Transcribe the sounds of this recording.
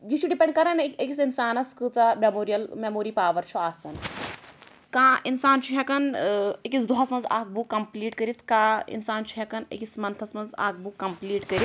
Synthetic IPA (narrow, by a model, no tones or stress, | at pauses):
jit͡ʃʰuɖipʲeɳɖkɐɾɐnekekʲisinsaːnɐskɨt͡sɐmemoːɾijɐlmemoːɾiːpaːʋɐɾt͡ʃʰuaːsɐn | kãːʔinsaːnt͡ʃʰuɦʲɛkɐnek̬ʲisd̪uɦɐsmɐnza̰ːk̚bukɐmpliːʈkəɾit̪ʰkaːḭnsaːnt͡ʃʰuɦʲɛkɐnḛkismɐnt̪ʰɐsmɐnza̰ːk̚bukɐmpliːʈkəɾit̪